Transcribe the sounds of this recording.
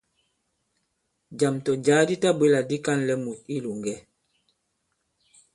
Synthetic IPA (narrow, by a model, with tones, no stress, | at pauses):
d͡ʒa˨mtɔ˨d͡ʒa˨˦di˦ta˦bwe˦la˨di˦ka˦nlɛ˦mu˨t̚i˦lu˨ŋɡɛ˦